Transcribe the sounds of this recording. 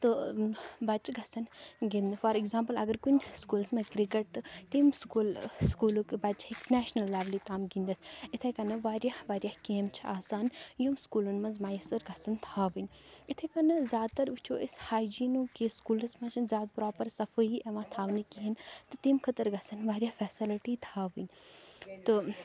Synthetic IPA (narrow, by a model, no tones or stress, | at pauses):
t̪ɨ | bɐt͡ʃɡɐsɐnɡind̪ɨfɐɾiɡzãːmpəlɐɡɐɾkunskuːlsmɐ̃kɾikeʈ̚t̪ɨt̪imskulskuːlukbɐt͡ʃeksnɛːʃnɐlːaːʋlit̪aːmɡind̪ɐsit̪ʰɐkɐnɨʋaːɾʲjahʋaːɾjahkeːmt͡ʃʰiaːsaːnjumskuːlunmɐ̃nzmaːjsɨɾɡɐsɐnt̪ʰaːʋɨnʲit̪ʰɐkɐnɨzʲjaːd̪̚t̪ɐɾʋɨt͡ʃʰoːʔishaːjd͡ʒiːnuːkeskuːlɨsmɐ̃t͡ʃʰɐnzjaːd̪̚pɾɔːpɐɾsɐfɨiʔeʋãːt̪ʰaːʋnikiɦint̪ɨt̪imkʰət̪əɾɡɐsɐnʋaːɾjafɛːsiliʈit̪ʰaːʋɨnʲt̪ɨ